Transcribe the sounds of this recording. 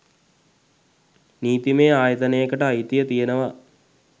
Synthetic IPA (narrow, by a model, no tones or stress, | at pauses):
niːt̪imeːaːjət̪ənejəkəʈəajit̪ijət̪ijenəʋa